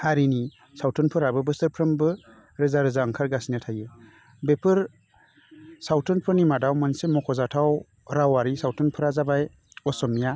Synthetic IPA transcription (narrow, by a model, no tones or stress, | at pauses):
haɾini | sawtʰɯnpʰɯɾabɯbɯstɯɾpʰɾɯmbɯ | ɾɯzaɾɯzaɯŋkʰaɾɡasinatʰajɯ | bepʰɯɾ | sawtʰɯnpʰɯɾnimadawmɯnsemɔkʰɔzatʰaw | ɾawaɾisawtʰɯnpʰɯɾazabaj | ɔsɔmja